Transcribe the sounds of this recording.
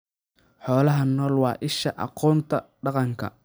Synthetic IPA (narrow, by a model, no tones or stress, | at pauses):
ħɔːlɐɦɐnɔːlwɑːʔɪʃɐʔɑ̰qɔːnt̪ʰɐɖɑqɑŋkʰɐ̰